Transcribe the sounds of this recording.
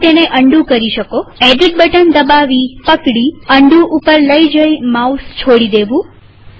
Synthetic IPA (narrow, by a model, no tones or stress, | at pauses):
t̪eneʔəɳɖũkəɾiʃəkoeɖiʈ̚bəʈənd̪əbaʋipəkɽiəɳɖũʔupəɾləid͡ʒəjmaust͡ʃʰoɽid̪eʋũ